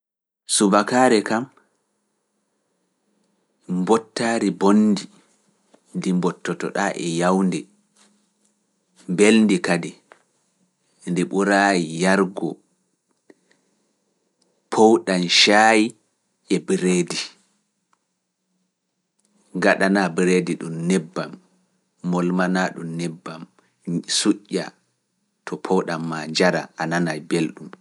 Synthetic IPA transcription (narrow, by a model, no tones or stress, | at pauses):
subakaːɾɛkam | mbɔtːaːɾibonːdi | ndimbɔtːɔtɔ̰ɗaʔɛjawndɛ | mbelndikadɛ | ndiɓuɾaːjijaɾɡɔ | pʰowɗanʃaji | ʔɛbɾedi | ŋɡaɗanabɾediɗumnɛbːamː | ɔlmanaːɗumnɛbːam | suʔːa̰ | tʰɔpʰɔwɗamːaɲd͡ʒaɾa̰ʔananajbelɗum